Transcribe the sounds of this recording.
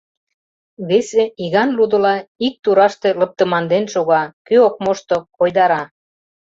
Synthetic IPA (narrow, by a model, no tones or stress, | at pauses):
βeseʔiɣɑnlud̪ə̆lɑik̚t̪uɾɑʃt̪e̽ləp̚t̪ə̆mɑnd̪enʃoɣɑkøok̚moʃt̪okojd̪ɑɾɑ